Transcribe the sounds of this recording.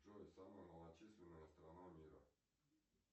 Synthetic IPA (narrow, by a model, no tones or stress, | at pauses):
ʐojsaməjənəlˠɐt͡ɕisʲlʲɪnːəjəst̪ɾanamʲiɾə̰